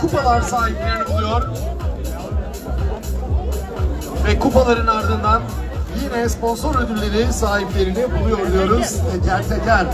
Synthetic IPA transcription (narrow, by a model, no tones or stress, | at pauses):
kʰupalˠaɾsaːɦiplʲeɾinɛbulˠujoɾ | vɛkʰupalˠaɾɯnaɾd̪ɯnd̪anjinɛspo̞nso̞ɾød̪ylːʲe̞ɾisaːɦiplʲe̞ɾinɛbulˠujo̞ɾlˠujo̞ɾuzɛcʰæɾt̪ʰɛcæɾ